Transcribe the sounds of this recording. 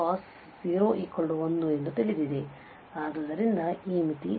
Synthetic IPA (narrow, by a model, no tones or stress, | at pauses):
aːs | siːɾoːʔiːkːoɭɖuʋɐnːue̞nd̪ut̪ilid̪id̪e | aːɡɐd̪ɐɾind̪ɐiːmit̪ḭ